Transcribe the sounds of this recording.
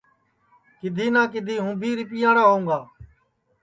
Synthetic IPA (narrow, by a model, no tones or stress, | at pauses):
kɪd̪ʱiːnãːk̬ɪd̪ʱiːɦũːbʱiːɾɪpɪjãːɽaːɦoũːɡaː